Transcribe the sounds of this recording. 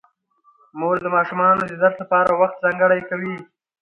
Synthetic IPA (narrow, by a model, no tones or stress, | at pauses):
moɾd̪əmɑʃumɑnod̪əd̪aɾt̪lapɑɾawaxt̪̚zɑŋɡəɽajkawi